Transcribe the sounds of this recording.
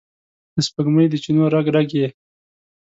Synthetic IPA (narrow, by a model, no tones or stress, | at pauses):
d̪̥əspəɡməjd̪ət͡ʃinoɾaɡɖaɡje